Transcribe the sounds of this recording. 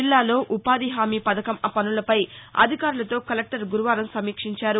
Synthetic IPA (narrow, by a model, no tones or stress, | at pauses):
ilːaːlo̞ːʔupaːd̪iɦaːmiːpɐd̪ɐkɐmɐpɐnulɐpɐjɐ̰d̪ʱikaːɾulɐt̪o̞ːkɐlek̚ʈɐɾɡuɾuʋaːɾɐmsɐmiːkʂiɲt͡ʃaːɾu